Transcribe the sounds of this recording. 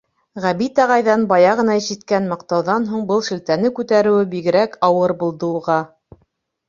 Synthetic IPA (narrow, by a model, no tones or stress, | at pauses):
ʁæbit̪ɑʁɑjðɑnbɑjɑʁɤ̆nɑʑit̪̚kænmɑq̚t̪ɑwðɑnɦuɴbɤlˠʃɘ̆lt̪ænɘkʉt̪æɾɘ̆wɘbiɡɘ̆ɾækɑwɤɾbulˠd̪ɤuʁɑ